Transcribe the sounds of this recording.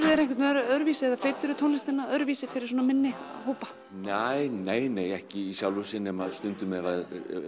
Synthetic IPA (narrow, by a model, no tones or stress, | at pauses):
ɾɛɾɛ̃jhkʰɛt̪œɾœɾvisɪɛðafeːjt̪ʏɾʏt̪ʰoːwnlɪst̪ɪnːaœɾvisɪfɪɾɪɾ̥sɔːnamɪnːɪhoːwpḁ | neːjneːjneːjɛhcɪisjawlvʏsɪnɛmaðst̪ʏnt̪ʏmɛvað